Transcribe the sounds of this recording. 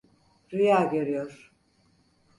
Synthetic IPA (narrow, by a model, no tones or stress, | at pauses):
ɾijaːɡeɾijoɾ̥